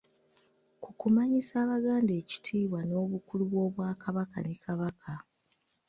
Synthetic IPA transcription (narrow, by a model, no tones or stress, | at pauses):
kukumaɲisaːβaɡaːnde̞ːci̥tʰiːβwano̞ːβukuluβwo̞ːβwaːkaβaka̰nekʰaβakʰa